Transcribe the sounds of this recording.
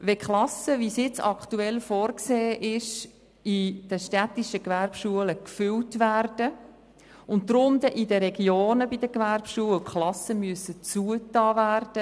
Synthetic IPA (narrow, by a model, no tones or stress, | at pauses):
ʋɛkχlɑsəvisjɪt͡sɑ̰ktuɛlfɔːrkseːʔɪʃ | id̥əʃtɛtiʃəkʋæɾpʃuələkfʏltʋærd̥ə | ʊnttːrʊnd̪əʔidəɾɛɡjoːnəbidəkʋærpʃuːəlkχlɑsəmyəsət͡suətɑːvæːrd̥ə